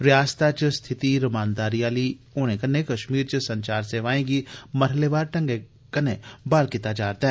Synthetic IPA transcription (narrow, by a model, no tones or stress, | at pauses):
ɾjaːst̪at͡ʃəst̪ʰɪt̪iɾɐmãːnd̪aːɾijaːli | oːnekɐnekɐʃmiːɾt͡ʃəsɐ̃ɲt͡ʃaːɾseːʋaːẽɡimɐɾleʋaːɾʈɐ̃ŋɡe | kɐnebaːlkɪt̪ad͡ʒaːɾt̪aɦɛ